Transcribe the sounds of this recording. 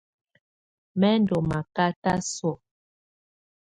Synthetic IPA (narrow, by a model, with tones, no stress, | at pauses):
mɛ˦n˦do˨ma˨ka˦ta˦sɔ˦˨